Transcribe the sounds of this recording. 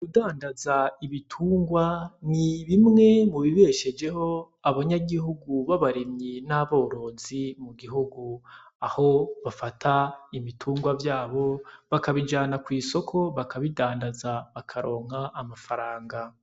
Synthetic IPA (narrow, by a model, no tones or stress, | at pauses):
kudaːndazaiβitʰuːŋɡwaniβimŋe̞muβiβe̞ʃe̞d͡ʒe̞ho̞ | aβaɲaɡihuɡuβaβaɾemɲinaβo̞ːɾo̞zimuɡiɦuɡuaho̞βafatʰaiβitʰuːŋɡwavjaːβo̞βakaβid͡ʒaːnakwiːso̞kʰo̞βakaβidaːndazaβakʰaɾo̞ːŋ̥haʔːmafaɾaːŋɡa